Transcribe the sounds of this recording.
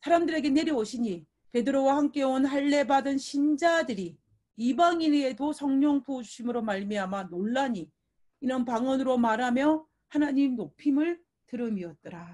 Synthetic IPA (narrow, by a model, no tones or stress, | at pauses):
sʰaɾamdɯɾe̞ɡe̞ne̞ɾjioɕʰiɲi | pe̞dɯɾowahamk͈e̞wʌnhaɭːe̞badɯnɕʰind͡ʑadɯɾi | ibaŋiɾe̞dosʰʌŋɲʌŋpʰouɕʰimɯɾomaɭmiɦamanoɭːaɲiː | nʌnpaŋʌnɯɾomaɾɦamjʌ | hanaɲimnopʰimɯɭ | tɯɾɯmiʌt̚t͈ʌɾa